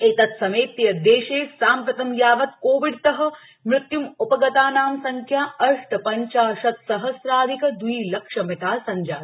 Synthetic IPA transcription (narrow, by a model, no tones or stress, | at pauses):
et̪ɐt̪sɐmeːpt̪ːijɐd̪eːʃeːsaːmpɾɐt̪ɐmjaːʋɐt̪koːʋiɖt̪ɐɦɐ̆ | mɾɪt̪jumupɐɡɐt̪aːnaːmsɐŋkʰjaːɐɾʂʈɐpɐɲt͡ʃaːʃɐt̪sɐɦɐsɾaːd̪ʱikɐd̪wiːlɐkʂɐmet̪aːsɐɲd͡ʒaː